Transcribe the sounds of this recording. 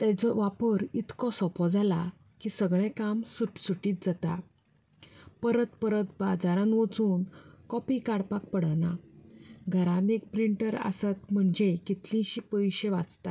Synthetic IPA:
t̪ɛ̃t͡sɔʋapəɾit̪kɔsɔpʰɔd͡zala | kiːsəɡɭɛ̃kamsuʈsuʈiːt̪̚d͡zat̪a | pəɾət̪pəɾət̪bad͡zaɾãnʋət͡suːnkɔpikaɽpak̚pəɽ̤əna | ɡʱəɾanek̚pɾiɳʈəɾə̰sat̪m̤əɳd͡ʑekit̪lĩɕiːpəjɕeʋat͡st̪a

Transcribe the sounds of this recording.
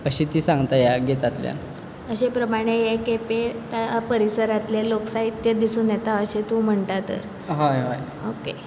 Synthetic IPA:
əɕit̪iːsãŋɡt̪ajaɡet̪at̪lja̰n | əɕepɾəmaɽ̃ejekepet̪apəɾisəɾat̪leloksait̪ːjad̪isuːnjet̪aəɕet̪ũːm̤əɳʈ̪at̪ə̰ɾ | ɦajɦaj | oke

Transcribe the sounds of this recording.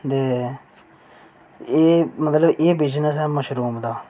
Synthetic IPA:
t̪eː | eːmət̪ləbeːbeːd͡ʒnəːsɛːməʃɾuːmd̪aː

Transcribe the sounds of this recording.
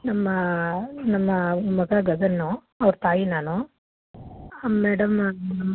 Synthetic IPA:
nɐmːɐnɐmːɐmɐɡɐɡɐɡɐnːu | ɐʋɐɾut̪aːjinaːnu | meːɽɐmnɐmː

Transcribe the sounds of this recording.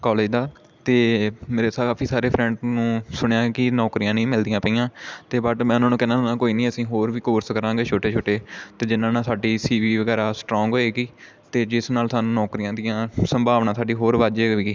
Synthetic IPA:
kɔːleːd͡ʒd̪aː | t̪eːmeːɾeːsakaːpʰiːsaːɾeːpʰɾɛ̃ːɳɖnũːsʊɳjaːkɪnɔːkɾijãːnĩːmɪld̪ɪjãːpəijãːt̪eːbəʈmɛ̃ːnãːnũːkɛnãːnãːkoːiːnĩːəsĩːɦoːɾʋiːkoːɾskəɾãːɡeːt͡ʃʰoːʈeːt͡ʃʰoːʈeːt̪eːd͡ʒɪnãːnãːsaːɖiːsiːʋiːʋəɡɛːɾaːsʈɾɔ̃ːŋɡɦoːeːɡiː | t̪eːd͡ʒɪsnaːlsaːnũːnɔːkɾijãːd̪ɪjãːsəmbʱaːʋnãːsaːɖiːɦoːɾʋaːd͡ʒeːiːɡiː

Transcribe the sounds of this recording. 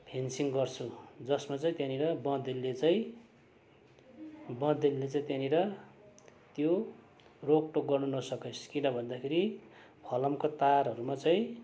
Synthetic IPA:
pʰensiŋɡʌrt͡sʰud͡zʌsmat͡saĩt̪jãniɾʌbʌ̃d̪elːet͡saĩ | bʌ̃d̪elːet͡saĩt̪janiɾʌ | t̪jo | rok̚ʈokɡʌrnunʌsʌkesʰkinʌbʱʌnd̪akʰeɾi | pʰʌlʌmkot̪aɾɦʌɾumat͡saĩ

